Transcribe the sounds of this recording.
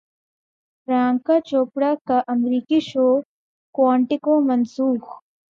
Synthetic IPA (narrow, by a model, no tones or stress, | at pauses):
fɾaːŋkat͡ʃoːpɽakɐʔɐmɾiːkiʃoː | kwaːɳʈikoːmɐnsuːx